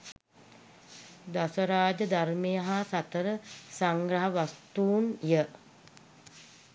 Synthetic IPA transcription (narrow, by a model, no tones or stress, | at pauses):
d̪asəɾaːd͡ʒəd̪armejəɦasat̪əɾəsaŋɡɾaɦaʋast̪uːnjə